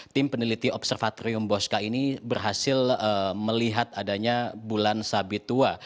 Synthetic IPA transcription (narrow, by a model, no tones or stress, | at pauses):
t̪ɪmpənilit̪iɔpsərfat̪oɾiʊmboskainibərɦasɪləməliɦat̪adaɲabulansabit̪ua